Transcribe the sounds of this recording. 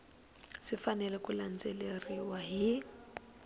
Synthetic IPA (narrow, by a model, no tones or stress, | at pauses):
ʂifanɛlɛkuland͡zeleriwaɦi